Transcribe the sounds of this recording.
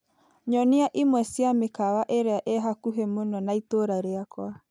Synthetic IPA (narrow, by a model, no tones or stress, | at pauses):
ɲɔneaʔimwɛsiamekawaʔeɾeaʔeɦakuɦemonɔnaitoɾaɾeakwa